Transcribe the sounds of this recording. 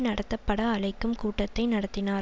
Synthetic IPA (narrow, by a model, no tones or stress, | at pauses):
nɐɽɐt̪ːɐpːɐɽɐːlɐɪkːɯmkuːʈːɐt̪ːɐɪnɐɽɐt̪ːɪnaː